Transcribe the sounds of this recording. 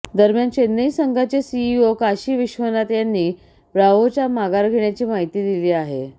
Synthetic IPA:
d̪əɾmjant͡ɕenːəisəŋɡʱat͡ɕesiːokaɕiːʋiɕʋənat̪janːiː | bɾaʋot͡ɕamaɡaɾɡʱeɳjat͡ɕiːmaɦit̪iːd̪iliːaɦe

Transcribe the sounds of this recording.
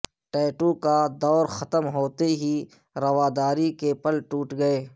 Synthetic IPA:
ʈɛːʈukad̪ɔːɾxɐt̪əmɦoːt̪eɦi | ɾɐwaːd̪aːɾikepɐlʈuːʈɡɐeː

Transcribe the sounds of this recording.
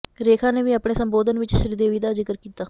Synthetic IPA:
ɾeːkʰãːneːʋiːapɳeːsəmboːd̪ənʋɪt͡ʃsɪɽd̪eːʋiːd̪aːzɪkəɾkiːt̪aː

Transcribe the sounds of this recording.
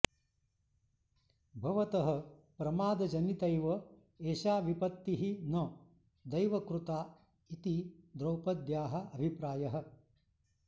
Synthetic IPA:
bʱɐʋɐt̪ɐɦɐ̆ | pɾɐmaːd̪ɐd͡ʒɐnit̪ɐjʋɐ | eːʃaːʋipɐt̪ːiɦinɐ | d̪ɐjʋɐkɾut̪aː | it̪id̪ɾɐwpɐd̪jaːɦɐ̆ʔɐbʱipɾaːjɐɦɐ̆

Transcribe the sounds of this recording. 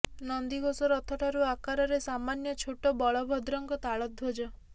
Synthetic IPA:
nɔnd̪iɡʱosɔɾɔt̪ʰɔʈʰaɾuakaɾɔɾesamanjɔt͡ʃʰoʈɔbɔɭɔbʱɔd̪ɾɔŋɡɔt̪aɭɔt̪̚od͡ʒɔ

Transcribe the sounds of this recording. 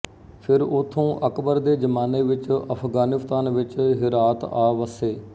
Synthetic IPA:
pʰɪɾʊt̪ʰːõːʔəkbəɾd̪eːd͡ʒəmaːneːʋɪt͡ʃəpʰɡaːnɪst̪aːnʋɪt͡ʃɦɪɾaːt̪aːʋəseː

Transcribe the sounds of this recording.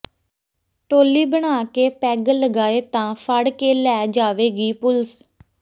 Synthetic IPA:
ʈoːliːbəɳ̃aːkeːpɛːɡləɡaːeːt̪ãːfʰəɽkeːlɛːd͡ʒaːʋeːɡiːpʊls

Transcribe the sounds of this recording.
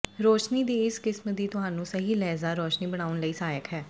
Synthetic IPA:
ɾoːʃniːd̪iːɪskɪsməd̪iːt̪ʊɦaːnũːsəɦiːlɛːzaːɾoːʃniːbəɽ̃aːʊnləiːsaːjəkɦɛː

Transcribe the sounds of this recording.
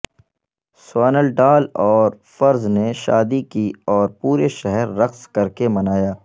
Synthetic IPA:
saːnəlɖaːlɔːɾ | fɐɾzneʃa̰ːd̪ikiɔːɾpuːɾeʃɛɦɛɾːɐxskɐɾkemɐnaːjaː

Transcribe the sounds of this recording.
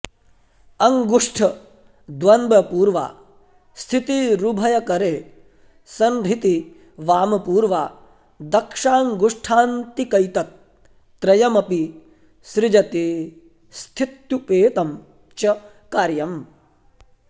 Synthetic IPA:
ɐŋɡuʂʈʰɐ | d̪ʋɐnbɐpuːɾʋa̰ː | st̪ʰit̪iɾubʱɐjɐkɐɾeː | sɐnɾit̪i | ʋaːmɐpuːɾʋaː | d̪ɐkʂaːŋɡuʂʈʰaːnt̪ikɐjt̪ɐt̪̚ː | ɾɐjɐmɐpi | sɾɪd͡ʒɐt̪iː | st̪ʰit̪jupeːt̪ɐm | t͡ʃɐ | kaːɾjɐm

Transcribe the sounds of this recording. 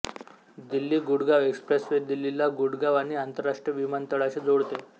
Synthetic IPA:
d̪ilːiːɡuɽɡaʋekspɾesʋeɾd̪ilːilaɡuɽɡaʋaɽ̃iant̪əɾːaʂʈɾjəʋimənt̪əɭaɕed͡zoɽt̪e

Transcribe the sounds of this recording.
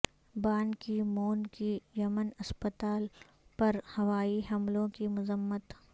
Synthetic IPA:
baːnkimoːnkijɐmənɐspət̪aːl | pɐɾhɐʋaːiɦɐmlõkimʊzəmːət̪

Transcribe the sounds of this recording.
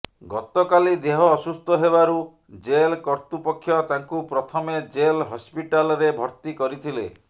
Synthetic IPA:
ɡɔt̪ɔkalid̪eɦɔːsust̪ɔɦeβaɾu | d͡ʒelkɔɾt̪upɔkʰːjɔt̪aŋkupɾɔt̪ʰɔmed͡ʒelɦɔspiʈalɔɾebʱɔɾt̪ikɔɾit̪ʰile

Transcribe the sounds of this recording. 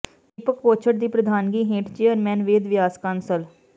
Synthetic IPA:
ɪpəkpoːt͡ʃʰəʈ̚d̪iːpɾəd̪ʱaːnɡiːɦẽːʈt͡ʃeːəɾmɛ̃ːnʋeːd̪ʋɪjaːskaːnsəl

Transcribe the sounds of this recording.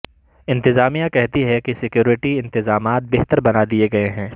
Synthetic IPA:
ɪ̃nt̪ɪzaːmijakɛɦt̪iɦɛkisɪkjuːɾɪʈiɪ̃nt̪ɪzaːmaːt̪̚beɦt̪əɾbɐnad̪ieɡɐeɦɛ̃ː

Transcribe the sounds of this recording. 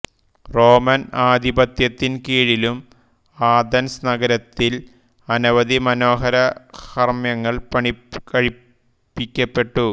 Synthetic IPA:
ro̞ːmɐnaːd̪ibɐt̪jɐt̪ːinkiːɻilum | aːd̪ɐnsnɐɡɐɾɐt̪ːil | ɐnuʋɐd̪imɐno̞ːɦɐɾɐhɐrmjɐŋːɐɭpɐɳikɐɻi | pːikʲːɐpːe̞ʈːu

